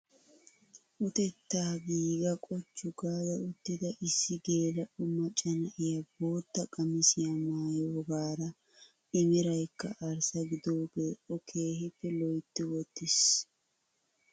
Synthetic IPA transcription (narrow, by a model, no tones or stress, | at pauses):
ʔʊt̪ɛt̪ːaːɡiːɡɐkʼɔt͡ʃːʊɡaːd̪ɐʊt̪ːɪd̪ɐʔɪsːɪɡe̞ːlɐʔʊmɐt͡ʃʼɐnɐʔɪjɐbo̞ːt̪ːɐkʼɐmɪsɪjɐmaːjoːɡaːɾɐ | ɪmɪɾɐjkːɐʔɐɾsɐɡɪd̪oːbeːʔɔkʰe̞ːhɪpːɛlɔjt̪ːɪwɔt̪ːɪs